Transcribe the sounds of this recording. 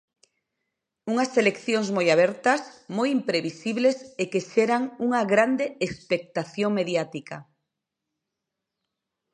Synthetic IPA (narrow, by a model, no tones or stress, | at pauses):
uŋɐselekθjoŋzmojaβɛɾt̪ɐsmojimpɾeβisiβlesekeʃeɾaŋuŋɐɣɾand̪eespek̚t̪aθjoŋmeðjat̪ika̰